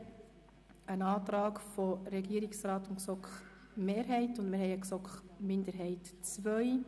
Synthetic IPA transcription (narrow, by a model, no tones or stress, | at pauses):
ənɑːt̪ɾɑːkfɔɾɛɡiːəɾɪksɾɑːt̪ʊnksɔkχ | meːɾɦɛɪtʊndmɪɾhɛɪəksɔkχmɪndəɾɦɛɪtt͡svœʏ